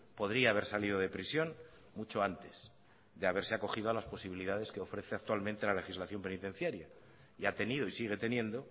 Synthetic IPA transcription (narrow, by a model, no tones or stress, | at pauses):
po̞ðɾiaːβe̞ɾsalið̞o̞ð̞epɾisjo̞n | mut͡ʃo̞ant̪e̞s | ðe̞aβe̞ɾse̞ako̞xið̞o̞alaspo̞siβ̞iliðaðe̞ske̞o̞fɾe̞θe̞ak̚t̪walmẽnt̪e̞lale̞xizlaθjo̞mpe̞nit̪e̞n̟θjaɾja | iat̪e̞niðo̞isiɣ̞e̞t̪e̞njẽ̞nd̪o̞